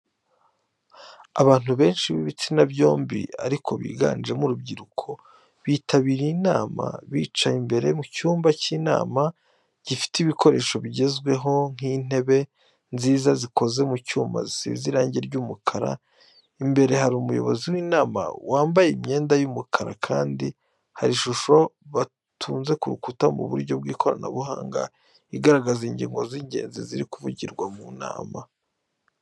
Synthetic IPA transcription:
a̰βaːn̥huβe̞ːnʃiβiβit͡sinabɟo̞ːmbḭa̰ɾikʰo̞βḭːɡa̰ːnd͡ʒe̞muɾub̚ɟiɾukʰo̞ | βiːtʰaβiːɾinaːma̰βiːt͡ʃaimbe̞ɾe̞mucuːmbaciːna̰ːma | ɟ̥ifi̥tiβikʰo̞ɾeːʃo̞βiɟe̞zɡwe̞ɦo̞ŋ̥iːn̥e̞βe̞ | nziːzazikʰo̞ze̞mucuːma̰zisiβiziɾaːɲɟieɾɟuːmukʰaɾa̰ | imbe̞ɾe̞ɦaɾiumujo̞̰βo̞̰ziwiːnaːma̰waːmbajimɲe̞ːndajumukʰaɾakʰaːndi | haɾiʃuʃo̞βa | tʰuːnze̞kuɾukutamṵβṵɾɟo̞b̚ɡiːkʰo̞ɾa̰na̰βuha̰ːŋɡa̰ | iɡaɾaɡaziɲɟḭŋɡo̞ziɲɟe̞̰ːnzḭziɾikuvuɟiɾɡwamuna̰ːma

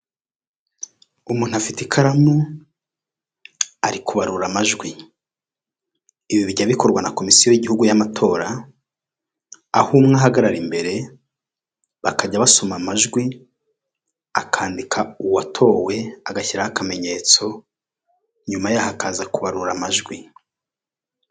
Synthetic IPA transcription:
umuːn̥uafitekʰaɾamu | aɾikʰuβaɾuɾamaʒɡwi | iβiβiɾɟaβiko̞ɾɡwanako̞misijojiɟihuɡujamatʰo̞ːɾa | humŋaːɦaɡaɾaɾimbe̞ɾe̞ | βakaɟaβaso̞mamaʒɡwi | akʰaːndikʰauwatʰo̞ːwe̞aɡaçiɾahakame̞ɲe̞t͡so̞ | ɲumajahakaːzakuβaɾuɾamaʒɡwi

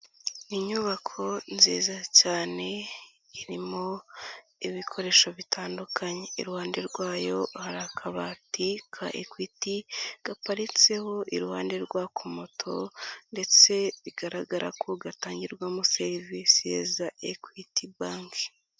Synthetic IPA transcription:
iɲuβakʰo̞nziːzacaːne̞ | iɾimo̞ | iβikʰo̞ɾe̞ːʃo̞βitʰaːndukʰaɲeḭɾuhaːnde̞ɾɡwaːjo̞haɾakʰaβaːtikʰa̰ʔḛkwitiɡ̥apaɾit͡se̞ho̞ʔiɾuhaːnde̞ɾɡwaːkomo̞tʰo̞nde̞t͡se̞βiɡaɾaɡaɾʔa̰kʰoɡataːɲɟiɾɡwamuseɾivisiḛzaʔḛkwitibaːŋki̥

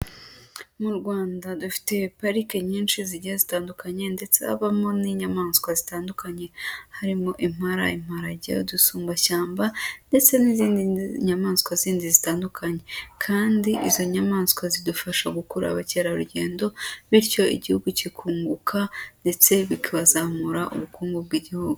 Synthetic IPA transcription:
muɾɡwaːndadufi̥te̞paɾikeɲiːnʃiziɟazitaːndukaɲe̞nde̞t͡sḛha̰βamo̞niɲamaːnskwazitaːndukʰaɲe̞haɾimo̞ʔim̥aɾa̰im̥haɾaɟḛdusuːmbaʃaːmbande̞t͡se̞niziːndiɲamaːnskwaziːndizitaːndukʰaɲe̞kʰaːndiʔizo̞ɲamaːnskwazidufaʃaɡukuɾa̰βaceɾaɾuɟe̞̰ːndo̞βiɾco̞ḭɟihuɡucikʰuːŋɡukʰande̞t͡se̞βikʰaβazamuɾaʔṵβukuːŋɡub̚ɡiɟihuɡu

